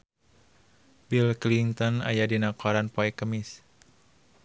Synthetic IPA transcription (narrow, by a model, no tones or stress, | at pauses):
bilkliŋt̪ɔna̰jadinakɔɾanpɔɛkəmis